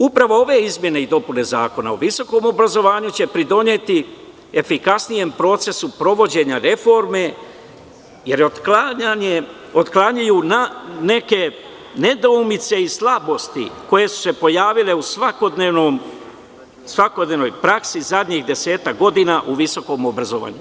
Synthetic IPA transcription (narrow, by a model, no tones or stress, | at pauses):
upɾaʋo̞o̞ʋe̞izmje̞ne̞id̪o̞pune̞zaːko̞na̰oʋiso̞ko̞mo̞bɾazo̞ʋaːɲut͡ɕe̞pɾid̪o̞ɲe̞t̪i | efikasnije̞mpɾo̞ːt̪se̞supɾo̞ʋo̞d͡ʑe̞ɲaɾe̞fo̞ɾme̞ | je̞ɾ | ot̪klaɲajuːnane̞ke̞ | ne̞d̪oumit̪se̞islabo̞st̪ḭko̞je̞su̥se̞po̞jaːʋile̞usʋakod̪nenom | sʋako̞d̪ne̞ʋnojpɾaksizad̪ɲiɣd̪e̞se̞ːt̪akɡo̞d̪inaʔuʋiso̞ko̞mobɾazo̞ʋa̰ːɲu